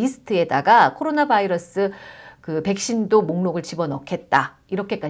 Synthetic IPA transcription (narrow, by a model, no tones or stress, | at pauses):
isʰɯ̥tʰɯe̞daɡakʰoɾonabaiɾʌs͈ɯkɯpe̞k̚ɕ͈indomoŋnoɡɯɭt͡ɕibʌnʌkʰe̞t̚t͈a | iɾʌkʰe̞k͈a